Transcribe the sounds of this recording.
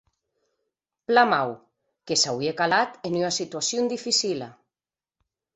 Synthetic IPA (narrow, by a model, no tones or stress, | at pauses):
plamaw | kesawiekalat̪enynasit̪uasjond̪ifisila